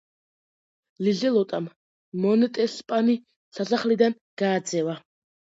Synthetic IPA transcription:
lizɛlˠɔt̪ʼamː | ɔnɛt̪ʼɛspʼani | sasaχlid̪an | ɡ̥aːd̪zɛva

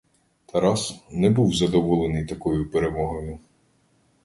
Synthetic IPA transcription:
t̪ʰɐɾɑsnɛbuwzɐd̪ɔʋɔlˠenɪjt̪ɐkɔjʊpeɾemɔɦɔjʊ

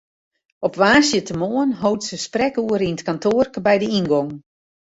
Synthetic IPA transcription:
ɔpʋaːsjətəmoənɦowtsəsprɛkuəɾinətkantʰoərkəbɛjdəinɡɔŋ

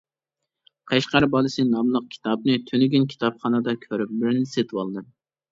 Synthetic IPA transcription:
qʰeʃqɑɾbɑlˠɨsɨnɑmlˠəq̚kʲʰi̥t̪ʰɑbnɨt̪ʰønɪɡʲynkʲʰi̥t̪ʰɑpχɑnɑd̪ɑkʲʰøɾyp̚bɪɾnɪset̪ʰɨwɑlˠd̪ɨ

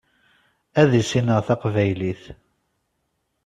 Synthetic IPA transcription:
æðisinəʁθɑqvæjliθ

